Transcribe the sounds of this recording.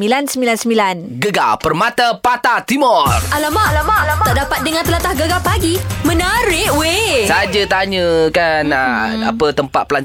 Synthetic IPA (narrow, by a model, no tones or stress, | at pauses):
milansəmbilansəmbilanɡəɡapərmat̪apat̪at̪imɔrʔalamaʔlamat̪aʔdapat̪̚dəŋant̪əlat̪ahɡəɡapaɡimə̃naɾɪʔwesad͡ʒət̪aɲəkanəa̰pət̪əmpat̪̚pəlaɲ